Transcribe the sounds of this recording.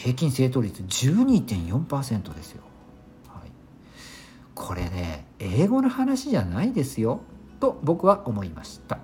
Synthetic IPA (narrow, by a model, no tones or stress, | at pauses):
he̞ːkʲĩɰ̃se̞ːt̪o̞ːɾʲit͡sɨd͡ʑɨːɲ̟iːt̪ẽ̞ɰ̃jõ̞mpaːsẽ̞nt̪o̞d̪e̞sɨjo̞̰ | haḭ | kʰo̞ɾe̞̰ne̞̰eːɡo̞nohanaɕiʑanaid̪e̞sɨjo̞t̪obo̞kɯ̟βaʔo̞mo̞ima̰ɕi̥t̪a